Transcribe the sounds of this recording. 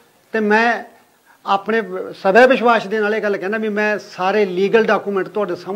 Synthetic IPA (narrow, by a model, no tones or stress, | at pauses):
t̪eːmɛ̃ː | aːpɳeːsəbʱɛːʋɪʃwaːsd̪eːnaːleːɡəlːkɛ̃ːnd̪aːbimɛ̃ːsaːɾeːliːɡəlɖaːkuːmɛ̃ɳʈt̪ʊaːɖeːsəm